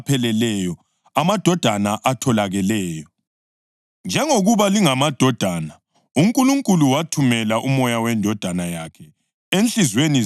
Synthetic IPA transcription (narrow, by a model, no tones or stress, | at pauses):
pʰɛlɛlɛjɔ | amad̥ʱɔd̥ʱanaʔatʰɔlaɣɛlɛːjɔ | nd͡ʒʱɛŋoɣuβaliŋamad̥ʱɔd̥ʱana | uŋkʼuluŋkʼuluwatʰumɛlaʔumɔjawɛndʱɔd̥ʱanajakʰɛ | ent͡ɬizweni